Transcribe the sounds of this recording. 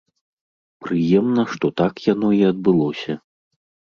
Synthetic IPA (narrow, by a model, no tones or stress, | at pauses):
pɾɨjɛmnɐʂt̪ɔt̪akjan̪ɔiɐd̪̚bɨlˠɔsʲɐ